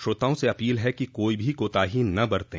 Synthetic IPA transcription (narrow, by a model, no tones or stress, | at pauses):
ʃoːt̪aːõseɐpiːlɦɛkikoːibʱikoːt̪aːɦinɐbɐɾt̪ẽ